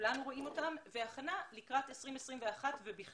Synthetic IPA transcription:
lanuʁoimo̞tamveaχanalikʁate̞sʁimesʁimveaχatvebiχ

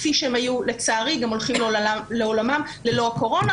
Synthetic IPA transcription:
fiʃeemajule̞t͡saːʁiɡamo̞lχimlleolamam | le̞lo̞ako̞ʁo̞na

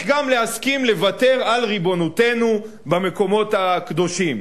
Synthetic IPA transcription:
ɡamleaskimle̞vate̞ʁalʁibo̞nute̞nu | bame̞ko̞mo̞thakd̪o̞ʃim

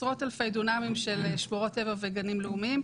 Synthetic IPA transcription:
ʁo̞talfejdunamimʃe̞lʃmoʁo̞tevaveɡanimleumim

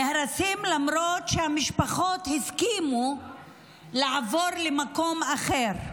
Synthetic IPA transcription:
ehɾasimlamɾot̪ʃehamiʃpaχo̞t̪hiskimu | laʕavo̞ɾlemako̞maχeɾ

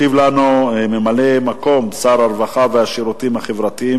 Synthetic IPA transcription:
ivlanume̞male̞mako̞msaɾaɾvaχaveaʃiɾut̪iimhaχevʁat̪iim

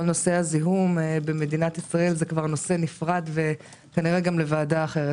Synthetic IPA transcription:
olno̞se̞haziɦumbe̞me̞d̪inat̪isʁae̞lzekvaʁno̞se̞nifʁad̪ve̞ | kaniʁe̞ɡamle̞vaːdaːχe̞ʁe

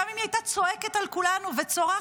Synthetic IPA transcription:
amimiajt̪at͡so̞eke̞t̪alkulanuvet͡so̞ʁa

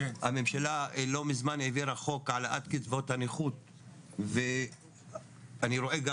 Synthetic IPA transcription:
hame̞mʃalalo̞mizmaneviɾaχo̞kʕalaʔat̪kitvo̞t̪haniχut̪̚ | ve | aniɾo̞ʔeɡa

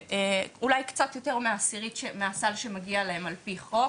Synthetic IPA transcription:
eulajkt͡sat̪jo̞te̞ʁmeasiʁitʃmeasalʃemaɡialaemalpiχo

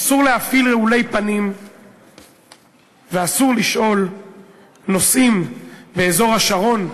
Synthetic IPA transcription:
asuʁleafilʁeule̞jpanim | veasuʁliʃʔo̞l | no̞sʔimbe̞ezo̞ʁhaʃaʁo̞n

